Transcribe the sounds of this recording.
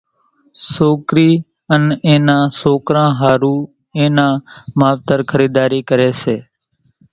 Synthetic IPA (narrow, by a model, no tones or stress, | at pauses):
soːkɾiː | ənẽːnãːsoːkɾãːɦaːɾuː | ẽːnãːmaːʋt̪əɾkʰəɾiːd̪aːɾiːkəɾeːseː